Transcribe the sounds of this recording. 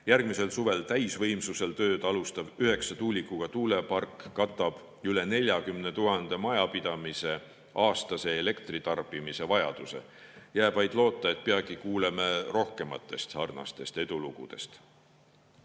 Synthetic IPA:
jærɡ̥mise̞lsuve̞lt̪æjsvɤ̞jmsuse̞lt̪ø̞ːd̪̥ɑlust̪ɑvyɦe̞ksɑt̪uːlʲikˑːuɡ̥ɑt̪uːle̞pɑrkːɑt̪ːˑɑb̥ | yle̞ne̞lʲjɑkymnet̪uɦɑnd̪̥e̞mɑjɑpid̪̥ɑmise̞ | ɑːst̪ɑse̞ːle̞kt̪rit̪ɑrbimise̞vɑjɑ̰d̪̥use̞̰ | jæːb̥vɑjd̪̥lo̞ːt̪ːˑɑe̞t̪̚peɑɡ̥ikuːlemero̞hke̞mɑ̰t̪ːˑe̞st̪sɑrnɑ̰st̪e̞st̪e̞d̪̥uluɡud̪̥e̞̰st̪

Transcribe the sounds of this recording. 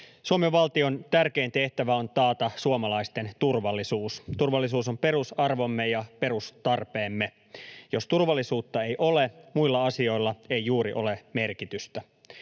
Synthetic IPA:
suomeʋːɑlt̪io̞nt̪ærke̞ːnt̪e̞ht̪æʋæo̞nt̪ɑːt̪ɑsuomɑlɑist̪e̞nt̪urʋɑlːisuːst̪urʋɑlːisuːsompe̞ɾusɑrʋo̞mːejɑpe̞ɾust̪ɑrpe̞ːmːe | jo̞st̪urʋɑlːisuːt̪ːɑe̞jʔo̞lemuilːɑɑsio̞ilːɑejjuːɾiʔo̞̰leme̞rkit̪yst̪æ

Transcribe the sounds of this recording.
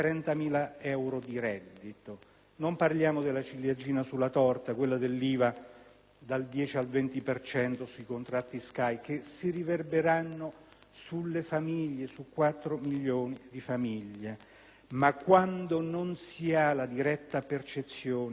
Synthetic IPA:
t̪ɾɛnt̪amiːlaɛwɾod̪iɾɛd̪ːit̪o | nomparljaːmod̪elːat͡ʃiljad͡ʒiːnasulːat̪ɔrt̪akwelːad̪elːiːva | d̪ald̪jɛːt͡ʃialvɛnt̪ipert͡ʃɛnt̪osuikont̪ɾat̪ːiskajkesiriverbeɾanːo | sulːefamiʎːesukːwat̪ːɾomiʎːoːnid̪ifamiʎːe | makːwand̪ononsialad̪iɾɛt̪ːapert͡ʃet̪sːjoːn

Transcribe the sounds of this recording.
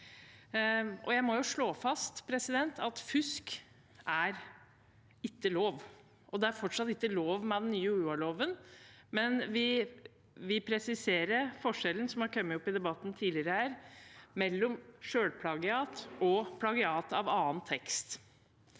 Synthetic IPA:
ʔɔ̰jæɪmɔjʊʂɭoːfɑst̪pʰɾɛsɪd̪ɛnt̪ɑt̪fʉsk | ʔæɾ | ɪkːəloːʋ | ʔɔd̪ɛæɾfɔʈʂɑt̪ɪkːəloːʋmɛd̪ɛnːyːəʉuːɑɭoːʋənmɛnʋɪ | ʋɪpʰɾɛsɪseːɾəɾfɔʂɛlən̩sɔmhɑɾkʰœmːəɔpːɪd̪ɛbɑt̪ːn̩t̪ʰiːlɪɾəhæːɾmɛlːɔmʂøːɽpʰlɑɡɪɑːt̪ɔpʰlɑɡɪɑːt̪ɑʋɑːənt̪ʰɛkst̪

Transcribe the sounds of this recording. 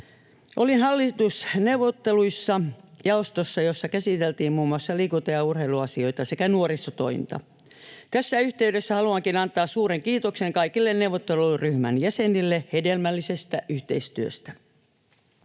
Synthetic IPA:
ʔolinhɑlːit̪usnewʋot̪ːeluisːɑjɑost̪osːɑjosːɑkæsit̪elt̪iːmmuːmuɑsːɑliːkut̪ːɑjɑurheiluɑsio̞it̪ɑsekænuoɾist̪ːot̪o̰int̪ɑ̰ | t̪æsːæyht̪eydesːæhɑluɑŋkinɑnt̪ˑɑːssuːɾeŋkiːt̪okseŋkɑikilːennewʋot̪ːeluryhmænjæsenilːehedelmælːisest̪æʔyht̪eist̪yø̰st̪æ

